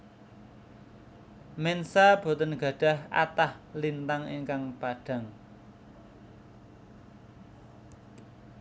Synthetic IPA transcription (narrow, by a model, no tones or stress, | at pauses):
mensab̥o̤t̪ənɡ̥ä̤ɖ̥ä̤hʔa̰t̪ahlint̪aŋeŋkaŋpaɖ̥ä̤ŋ